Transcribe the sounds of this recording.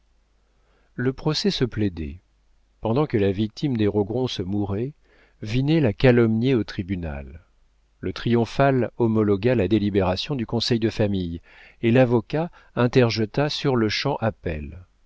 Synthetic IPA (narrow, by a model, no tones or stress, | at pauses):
ləpχɔsɛsəpled̪ɛ̰ | pɑ̃d̪ɑ̃kəlavik̚t̪ʰimd̪eʁɔɡʁɔ̃səmuʁɛ | vinɛlakalɔmnjeot̪χibyna̰lː | ət̪χijɔ̃falɔmɔlɔɡalad̪elibeʁasjɔ̃d̪ykɔ̃sɛjd̪əfamij | elavɔka | ɛ̃t̪ɛʁʒət̪asyʁləʃɑ̃ʔapɛl